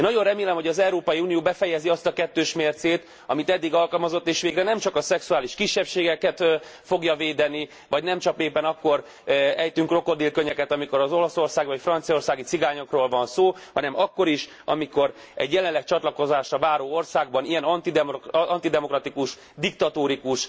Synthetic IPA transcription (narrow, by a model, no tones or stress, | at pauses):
eːnɒɟo̞nrɛmeːlɛmho̞ɟɒzɛuɾoːpɒjiuːnijoːbɛfɛjɛziɒst̪ɒkɛt̪ːøːʃmeːrt̪seːt̪ | ɒmit̪ɛd̪ːiɡɒlkɒlmɒzo̞t̪ːeːʃʋeːɡrɛnɛmt͡ʃɒkɒsɛksuaːliʃkiʃːɛpʃeːɡɛkɛt̪fo̞ɡjɒveːd̪ɛni | vɒɟnɛmt͡ʃɒpeːpːɛnɒkːo̞r | ɛjt̪yŋkro̞kod̪iːlkøɲɛkɛt̪ɒmiko̞ɾɒzo̞lɒso̞rsaːɡʋɒcfrɒnt̪sijɒorsaːɡit̪siɡaːɲo̞kroːlvɒnsoːhɒnɛmɒkːo̞ɾiʃ | ɒ̰miko̞ɾ | ɛ̰ɟjɛlɛnlːɛk̚t͡ʃɒt̪lɒko̞zaːʃɒvaːɾoːo̞rsaːɡ̚bɒnijɛnɒnt̪id̪ɛɒnt̪id̪ɛmo̞krɒt̪ikuʃ | d̪ikt̪ɒt̪oːɾikuʃ